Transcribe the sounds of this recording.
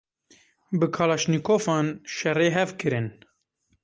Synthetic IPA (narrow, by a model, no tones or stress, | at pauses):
bɨkʰɑːlɑʃnikʰoːfɑːnʃɛreːɦɛvkʰɨɾɨn